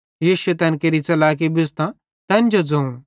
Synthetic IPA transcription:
jiːʃʊet̪ɐnkeɾit͡sɐlaːk̬ibɪst̪ã | t̪ɐnd͡ʒod͡zɐ̃ũ

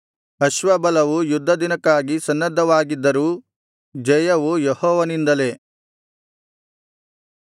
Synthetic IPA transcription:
ɐʃʋɐbɐlɐʋujud̪ʱːɐd̪inɐkːaːɡisɐnːɐd̪ʱːɐʋaːɡid̪ːɐɾuː | d͡ʒɐjɐʋujehɔːʋɐnind̪ɐle̞

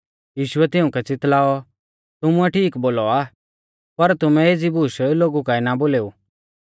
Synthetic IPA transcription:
jiːʃʊɛt̪ɪʊ̃kɛt͡sɪt̪laːɔ | t̪ʊmuɛʈʰiːkboːlɔaː | pɐɾt̪ʊmɛeːd͡zibuʃloːɡukainaboːleːuː

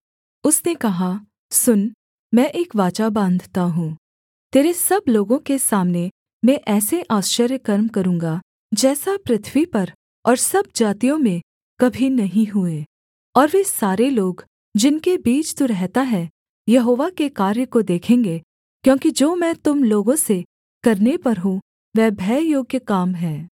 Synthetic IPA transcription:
ʊsnekɐɦa | sʊn | mɛ̃ːʔeːkʋaːt͡ʃabãːnd̪ʱt̪aɦũː | t̪eːɾesɐbloːɡõkesaːmne | mɛ̃ʔɛːseʔaːʃt͡ʃəɾjəkɐɾmkɐɾũːŋɡa | d͡ʒɛːsapɾɪt̪ʰʋipɐɾ | ɔːɾsɐb̚d͡ʒaːt̪ijõmẽ | kɐbʱinɐɦĩɦʊeː | ɔːɾʋesaːɾeloːɡ | d͡ʒɪnkebiːt͡ʃt̪uɾɛɦt̪aɦɛː | jɐɦoːʋakekaːɾjəkod̪eːkʰẽːŋɡe | kjõːkid͡ʒoːmɛ̃t̪ʊmloːɡõse | kɐɾnepɐɾɦũ | ʋɛːbʱɛːjoːɡjəkaːmɦɛː

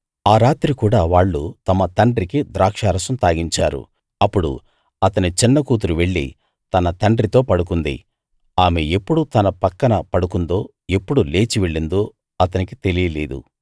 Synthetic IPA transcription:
aːɾaːt̪ɾikuːɽaːʋaːɭːut̪ɐmɐt̪ɐɳɖɾikid̪ɾaːkʂaːɾɐsɐmt̪aːɡiɲt͡ʃa̰ːɾṵ | ɐpːuɽṵ | ɐt̪ɐnit͡ʃinːɐkuːt̪̬uɾuʋe̞ɭːḭ | t̪ɐnɐt̪ɐɳɖɾit̪o̞ːpɐɽukund̪ḭ | aːmeepːuɽut̪ɐnɐpɐkːɐnɐpɐɽukund̪o̞ː | e̞pːuɽule̞ːt͡ʃiʋeɭːind̪oː | ɐt̪ɐnikit̪e̞lijɐle̞̰ːd̪ṵ

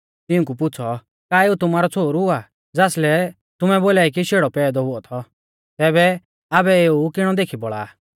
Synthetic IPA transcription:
t̪ɪũkupʊt͡sʰɔ | kaːeːut̪ʊmaːɾɔt͡sʰoːɾɦʊa | d͡zaːslɛ | t̪ʊmɛboːlaːikiʃeːɽɔpɛːd̪ɔɦʊɔt̪ʰɔ | t̪ɛːbɛ | aːbɛeːukɪɽ̃ɔd̪eːkʰibɔɭa̰ː

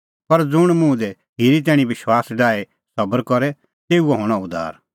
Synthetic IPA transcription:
pɐɾd͡zʊɽ̃mũd̪ɛ | ɦɪɾit̪̬ɛːɽ̃ĩʋɪʃwaːsɖaːe | sɐbəɾkɔɾɛ | t̪eːuɛɦoːɽ̃aʊd̪ʱa̰ːɾ

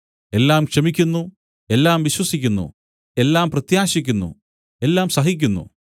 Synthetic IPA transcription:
e̞lːaːmkʂɐmikʲːunːu | e̞lːaːmʋiɕwɐsikʲːunːṵ | e̞lːaːmprɐt̪jaːɕikʲːunːṵ | e̞lːaːmsɐɦik̬ʲːunːṵ

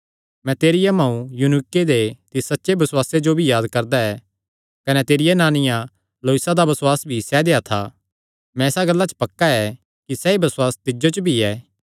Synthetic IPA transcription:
mɛ̃t̪eːɾɪjamɐ̃ːũjunɪkːed̪et̪ɪssɐtːʃebɐswaːsed͡ʒobʱijaːd̪kɐɾd̪aɛ | kɐnɛt̪eːɾɪjɛnaːnɪjã | loːɪsad̪abɐswaːsbʱisɛd̪eat̪ʰa | mɛ̃eːsaɡɐlːat͡ʃə̥pɐkːaɛ | kisɛibɐswaːst̪ɪd͡ʒot͡ʃbʱiɛː

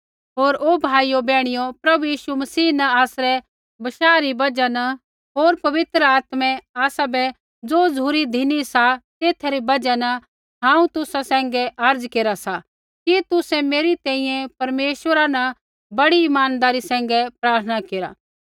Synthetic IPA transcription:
ɦoːɾoːbʱaːijobɛːɽ̃ɪjopɾɐbujiːʃumɐsiːnɐaːsɾɛ | bɐʃaːɾibɐd͡ʒanɐ | ɦoːɾpɐʋɪt̪ɾəaːt̪mɛ̃aːsabɛ | d͡zoːd͡zʱuːɾid̪ʱɪnisat̪eːt̪ʰaɾibɐd͡ʒanɐ | ɦãːũt̪ʊsasɛ̃ːŋɡɛʔɐɾd͡zkeːɾasa | kit̪ʊsɛmeːɾit̪ɛ̃ːĩjɛ̃pɐɾmeːʃʋəɾanɐ | bɐɽiːmaːnd̪aːɾisɛ̃ːŋ̆ɡɛpɾaːɾt̪ʰənakeːɾa̰ː

